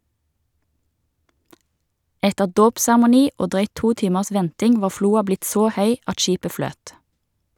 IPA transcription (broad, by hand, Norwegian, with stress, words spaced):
ˈɛtəʁ ˈdoːpsæʁmʊˌniː ˈoː ˈdʁœʏt ˈtuː ˈtiːməʁs ˈʋɛntɪŋ ˈʋɑː ˈfluːɑ ˈblɪt ˈsoː ˈhœʏ ˈɑt ˈʃiːpə ˈfløːt